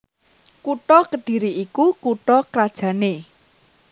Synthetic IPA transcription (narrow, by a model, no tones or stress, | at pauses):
kuʈɔkəɖ̪̥i̤ɾiʔikukuʈɔkɾad̥ʒ̥ä̤ne